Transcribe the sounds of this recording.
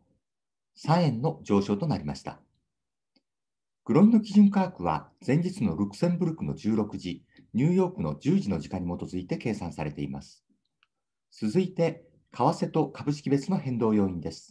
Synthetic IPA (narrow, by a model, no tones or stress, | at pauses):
sãɰ̃ẽ̞nːo̞d͡ʑo̞ːɕo̞ːt̪o̞naɾʲima̰ɕi̥t̪a̰ | ɡ̥ɯ̟ɾo̞ĩnːo̞kʲiʑɨ̃ŋkaːkɯ̟βa̰z̥ẽ̞ɲ̟d͡ʑit͡sɨno̞ɾɯ̟kɯ̟̥sẽ̞mbɯ̟ɾɯ̟kɯno̞̰d͡ʑɨːɾo̞kɯ̟ʑi | ɲ̟ɨːjo̞ːkɯ̟no̞d͡ʑɨːʑino̞ʑikaɲ̟ːimo̞t̪o̞zɨit̪e̞ke̞ːsãɰ̃saɾe̞t̪e̞ima̰sɨ̥ | t͡sɨzɨit̪e̞ | kʰaβase̞t̪o̞kabɯ̟ɕ̬i̥kʲibe̞t͡sɨno̞hẽ̞nd̪o̞ːjo̞ːĩnd̪e̞sɨ̥